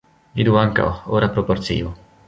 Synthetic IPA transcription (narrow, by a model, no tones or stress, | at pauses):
vid̪uaŋka̰oɾapɾopoɾt̪sḭːo